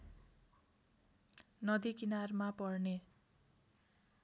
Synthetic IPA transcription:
nʌd̪ikinarmapʌrne

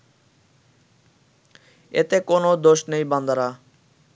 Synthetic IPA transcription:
ḛt̪ekonod̪oʃnejband̪aɾa

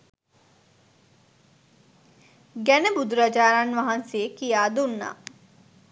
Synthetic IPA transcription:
ɡænəbud̪uɾad͡ʒaːɾanʋaɦansejəkijaːd̪unːa̰

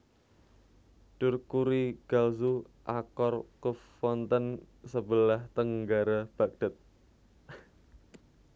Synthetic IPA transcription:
ɖ̥ʊrkuɾiɡ̥alzuʔakɔrkəfɔnt̪ən | səbəlaht̪əŋɡaɾab̥ak̚d̥ə̤t̪̚

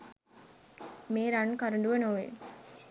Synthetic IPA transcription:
meːɾankaɾuɳɖuʋənoʋḛ

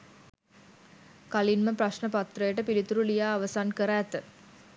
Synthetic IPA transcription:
kalinməpraʃɳəpat̪rəjəʈəpilit̪uɾulijaːʋəsankəɾaːt̪ə

